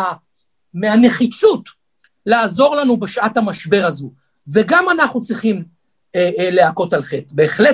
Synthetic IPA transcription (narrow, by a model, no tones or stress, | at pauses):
meane̞χit͡sut | laːzo̞ʁlanubeʃʔathamaʃbe̞ʁazu | ve̞ɡamanaχnut͡sʁiχim | eleako̞talχetbe̞ːχle